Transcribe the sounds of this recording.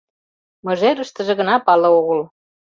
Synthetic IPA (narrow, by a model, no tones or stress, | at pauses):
mə̆ʒeɾəʃt̪əʒĕɣə̆nɑpɑlɤ̆oɣəl